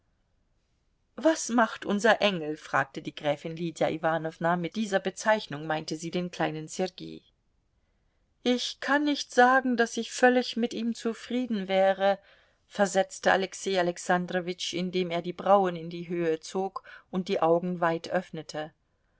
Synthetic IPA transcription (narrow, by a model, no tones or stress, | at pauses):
vasmaχtʔʊnzɐʔɛŋl̩fʁ̥a̰ːk̚tədiːɡ̥ʁɛːfɪnliːdjaʔivaːnɔvnamɪt̚d̥iːzɐbət͡saɪçnʊŋmaɪntəziːdeːnkl̥aɪnənsɛʁɡḛː | ʔɪçkʰanːɪçtz̥aːɡŋ̩dasɪçfœlɪçmɪtʔiːmt͡sufʁ̥iːdn̩vɛːʁə | fɛɐzɛt͡stəʔa̰lɛkseːalɛksandʁovɪt͡ʃɪndeːmeːɐdiːbʁaʊənɪndiːɦøːət͡soːkʔʊnt̚d̥iːʔaʊɡŋ̩vaɪtʔœfnətʰə